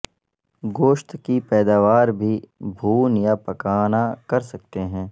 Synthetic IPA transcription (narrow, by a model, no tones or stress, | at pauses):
ɡoːʃt̪kipɛːd̪aːʋaːɾbʱibʱuːnjapɐkaːnakɐɾsɐk̚t̪eɦɛ̃ː